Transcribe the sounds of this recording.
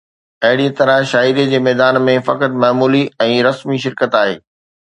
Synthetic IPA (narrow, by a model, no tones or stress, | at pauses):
ɐɦɪɽiə̃t̪ɐɾə̃ʃaːiɾied͡ʑeːmɛːd̪aːnmẽfɐkət̪maːmuːliɛ̃ːɾɐsmiʃ̬ɪɾkət̪aːɦḛː